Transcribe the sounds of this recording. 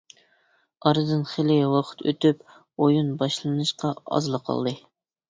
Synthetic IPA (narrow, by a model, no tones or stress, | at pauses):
ɑɾɨd̪ɨnχelɪwɑqʰə̥t̪ʰø̰t̪yp | ojunbɑʃlˠɨnɨʃqɑɑ̰zlˠɨqʰɑ̰lˠd̪ɨ